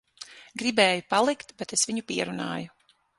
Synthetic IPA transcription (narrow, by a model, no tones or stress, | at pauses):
ɡɾibeːjupalˠikt̪bet̪esʋiɲupiɛɾuna̰ːju